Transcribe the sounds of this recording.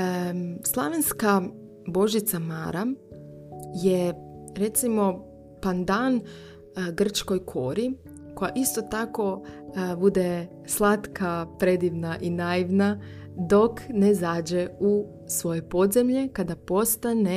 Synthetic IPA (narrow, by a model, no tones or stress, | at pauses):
slˠaʋenska | bo̞ʒit̪sama̰ɾa | jeɾe̞t̪simo̞ | pand̪an | ɡr̩t͡ʃko̞jkʰo̞ɾi | kojaʔist̪o̞t̪ako̞bud̪e̞ | slˠat̪kʰapɾe̞d̪iʋnaʔinaiʋna | d̪o̞knezaːd͡ʑeu | sʋo̞je̞po̞d̪zemʎe̞kad̪apo̞st̪ane